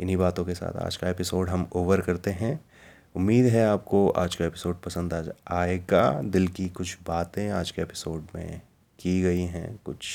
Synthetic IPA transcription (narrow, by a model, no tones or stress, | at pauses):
ɪnɦibaːt̪õkesa̰ːt̪ʰa̰ːd͡ʒkaepɪsoːɖɦɐmoːʋəɾkɐɾt̪eɦɛ̃ | ʊmːiːd̪ɦɛaːp̚koa̰ːd͡ʒkaepɪ̥soːɖ̚pɐsə̃nd̪aːd͡ʒaːeɡa̰d̪ɪlkikʊt͡ʃʰbaːt̪ẽaːd͡ʒkeeːpɪ̥soːɖmḛ̃ | kiɡɐiɦɛ̰̃ːkʊt͡ʃʰ